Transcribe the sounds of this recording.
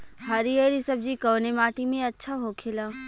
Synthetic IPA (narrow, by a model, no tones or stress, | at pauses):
ɦaɾieɾisɐb̚d͡ʒikɐːnemaːʈimẽɐtːʃʰaɦokʰelaː